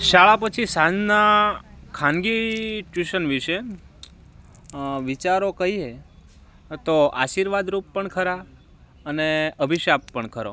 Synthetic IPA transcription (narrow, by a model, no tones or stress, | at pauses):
ʃaɭapət͡ʃʰisad͡ʒnakʰãnɡit͡ʃuʃənʋiʃe | ʋit͡ʃaɾokəɦie | t̪oaʃiɾʋad̪ɾupːəɳkʰəɾa | əneəbʱiʃapːəɳkʰəɾo̰